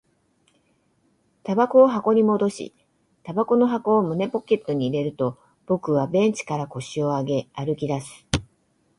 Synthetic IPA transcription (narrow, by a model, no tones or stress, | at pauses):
t̪abako̞ːɦako̞ɲ̟imo̞d̪o̞ɕḭ | t̪abako̞no̞ɦako̞ːmɯ̟ne̞po̞ke̞t̪ːo̞ɲ̟iːɾe̞ɾɯ̟t̪o̞ | b̥o̞kɯ̟βabẽ̞ɲ̟t͡ɕi̥kaɾako̞ɕio̞aɡe̞aɾɯ̟kʲid̪asɨ̥